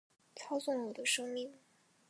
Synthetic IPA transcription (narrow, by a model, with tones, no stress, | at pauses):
t͡sʰɑ˥ʊsʊ˥˩ŋəwɔ˨˩d̪ə˦ʂɤ˥ŋmi˥˩ŋ